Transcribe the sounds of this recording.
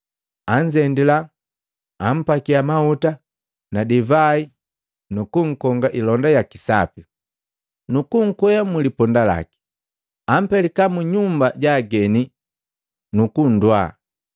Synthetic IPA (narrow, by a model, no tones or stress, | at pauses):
aɲd͡ʒɛndilaː | m̩pakiamauta | nadivai | nukuŋ̩kɔŋɡaʔilɔndajakisa̰pi | nukuŋ̩kwɛjamulipɔndala̰ki̥ | am̩pɛlikamuɲumbaɟaɡɛni | nukun̩dwa